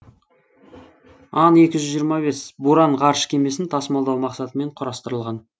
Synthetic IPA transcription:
ɑnje̞kʲɪʒʏzʒijəɾmɑbe̞sbuɾɑɴʁɑɾʃə̥kʲʰe̞me̞sɪnt̪ʰɑsmɑlˠd̪ɑwmɑqsɑt̪əme̞ɴqʰʊɾɑst̪əɾəlˠʁɑn

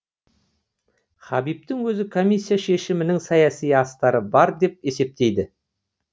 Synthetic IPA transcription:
χɑbip̚t̪ɪŋwɵzɪkʰo̞mʲijsːijaʃe̞ʃɪmɪnɪŋsɑjɑsijɑst̪ɑɾəbɑɾd̪e̞p̚e̞se̞p̚t̪e̞jd̪ɪ

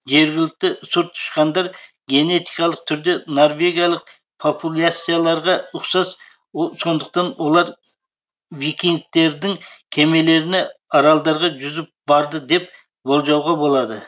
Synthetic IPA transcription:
ʒe̞ɾɡʲɪlɪk̚ʲt̪ɪsʊɾt̪ʰːʊ̥ʃqɑnd̪ɑɾ | ɡʲe̞ne̞t̪ʰikɑlˠəq̚t̪ʰʏɾd̪e̞noɾve̞ɡʲijɑlˠəq̚ | pʰopʰulʲˠasijalˠɑɾʁɑʊχsɑs | so̞nd̪əq̚t̪ɑnwo̞lˠɑɾ | vikʲiŋ̚t̪ːe̞ɾd̪ɪŋkʲʰe̞me̞le̞ɾɪneɑɾɑlˠd̪ɑɾʁɑʒʏzɪp̚b̥ɑɾd̪əd̪e̞p̚ | bo̞lˠʒɑwʁɑbo̞lˠɑd̪ə

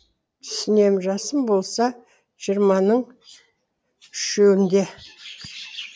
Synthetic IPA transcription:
t̪ʰʏ̥sɪne̞mʒɑsəmbo̞lˠsɑ | ʒ̥ijəɾmɑnəɴ | ʏʃewɪnd̪e̞

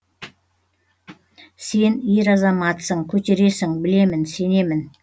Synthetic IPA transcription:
se̞niɾɑzɑmɑt̪səɴkʲʰɵt̪e̞ɾe̞sɪŋbɪle̞mɪnse̞ne̞mɪn

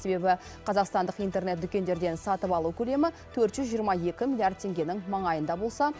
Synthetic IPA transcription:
se̞be̞bɪ | qʰɑzɑqst̪ɑnd̪əqijnt̪e̞ɾne̞t̪̚d̪ʏkʲe̞nd̪e̞ɾd̪e̞nsɑt̪əpɑlˠukʲʰɵle̞mɪt̪ʰɵɾt̪ʒʏzʒijəɾmɑje̞kʲɪmilˠijaɾrd̪̚t̪ʰe̞ŋɡʲe̞nɪŋmɑɴɑjənd̪ɑbo̞lˠsɑ

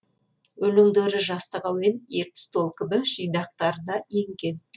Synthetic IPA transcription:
ɵlɪŋd̪eɾɪʒɑst̪əʁɑwmeneɾt̪ɪ̥st̪olˠkʲɪbɪʒijnɑq̚t̪ɑɾəd̪ɑjeŋkʲe̞n

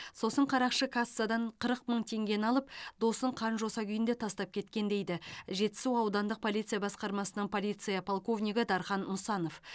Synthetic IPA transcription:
so̞səɴqʰɑɾɑqʃəkʰasːad̪ɑɴqʰəɾəq̚məɴt̪ʰe̞ŋɡʲe̞nɑlˠəp̚d̪̥o̞səɴqʰɑnʒo̞sɑkʲʰʏjɪnd̪e̞t̪ʰɑst̪ɑp̚kʲʰe̞t̪kʲe̞nd̪e̞jd̪ɪʒe̞t̪ːɪ̥suɑwd̪ɑnd̪əq̚pʰo̞lʲˠijt̪sɨjabɑsqɑɾmɑsənəɴpʰo̞lʲijt̪sɨjapʰolˠko̞vnʲijɡʲɪd̪ɑɾχɑnmʊsɑno̞f

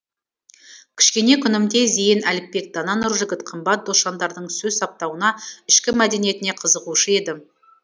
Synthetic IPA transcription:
kʲʰɪ̥ʃkʲe̞ne̞kʲʰʏnɪmd̪e̞zejɪnælɪk̚pe̞k̚d̪̥ɑnɑnʊɾʒɪɡʲɪt̪qʰəmbɑt̪̚d̪osʃɑnd̪ɑɾd̪əɴsɵzsɑp̚t̪ɑwənɑɪʃkʲɪmæd̪e̞nije̞t̪ɪne̞qʰəzəʁuʃəe̞d̪ɪ

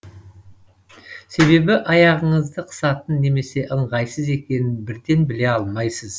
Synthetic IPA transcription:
se̞βe̞bɪʔɑjɑʁəɴəzd̪əqʰə̥sɑt̪ənːe̞me̞se̞ʔəɴʁɑjsəze̞kʲe̞nɪnbɪɾd̪e̞nbɪle̞ɑlˠmɑjsəz

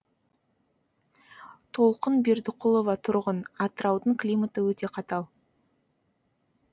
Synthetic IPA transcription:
t̪ʰo̞lˠqənbeɾd̪ɪqʊlˠo̞vɑt̪ʰʊɾʁənɑt̪əɾɑwd̪əɴklʲijmat̪əwɵt̪e̞qʰɑt̪ɑlˠ

